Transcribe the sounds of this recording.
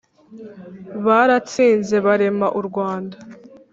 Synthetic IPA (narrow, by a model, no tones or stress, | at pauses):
βaɾat͡siːnze̞βaɾe̞maʔuɾɡwaːnda